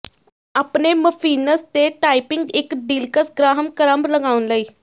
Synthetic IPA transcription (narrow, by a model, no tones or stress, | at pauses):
apneməfiːnəst̪eʈaipɪŋɡekɖiːlkəsɡɾaɦəmkəɾambləɡaːʋunləiː